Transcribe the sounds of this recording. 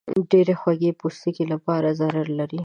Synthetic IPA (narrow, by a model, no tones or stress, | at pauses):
ɖeɾexwaɡepust̪ikilapɑɾazaɾaɾlaɾi